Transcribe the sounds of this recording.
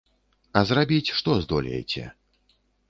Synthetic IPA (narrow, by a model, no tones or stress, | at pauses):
ɐzrabʲit͡sʲʂt̪ɔzd̪ɔlʲɛ̰jt͡sʲɛ̰